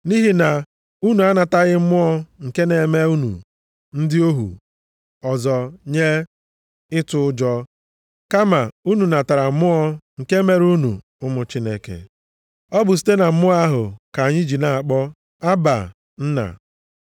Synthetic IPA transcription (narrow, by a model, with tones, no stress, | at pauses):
ni˦ɦi˨na˨ | u˦nu˨a˦na˨ta˦ɣɪ˦m̩˦mʊ˦ɔ˦ŋ̩˨ke˦ne˨˦me˦u˦nṵ˨ | n̩˦dɪ˦o˦ɦṵ˨ | ɔ˨zɔ˨ɲe˦ | ɪ˦tʊ˨ʊ˦d͡ʒɔ˦ | ka˦ma˨u˦nu˨na˨ta˨ɾa˨˦mʊ˦ɔ˦ŋ̩˨ke˦me˦ɾu˦nṵ˨ | ʊ˦mʊ˨t͡ʃi˦ne˦kḛ˨ | ɔ˦bʊ˨s̬i̥˦te˦na˨m̩˦mʊ˦a˦ɦʊ˨ka˨a˨ɲɪ˦d͡ʒi˨na˨a˨k͡pɔ˦ | a˦ba̰˨ | n̩˦na̰˨